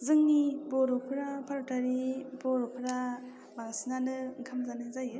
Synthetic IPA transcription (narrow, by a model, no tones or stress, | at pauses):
zɯŋniboɾupʰɯɾapʰaɾutaɾiboɾopʰɯɾa | baŋsinanɯŋkʰamzanɯzajɯ